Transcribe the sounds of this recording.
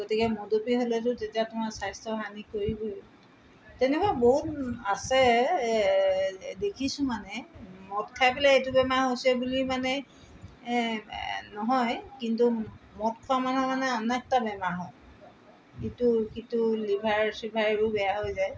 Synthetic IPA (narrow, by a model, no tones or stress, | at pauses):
ɡotikɛmodopiɦolɛtʊtetiatʊmasajstɔɦanikoɹibu | tɛnɛkaboɦut̚asɛ | dekʰisʊ̃manɛmɔtkʰajpilaetubɛmaɹɦosɛbulimanɛ | nɔɦɔjkintumɔt̚kʰɔamanɔmanɛɔnɛk̚tabɛmaɹɦɔj | itukitulibʱaɹsɹibʱaɹibʊbɛjaɦojzaj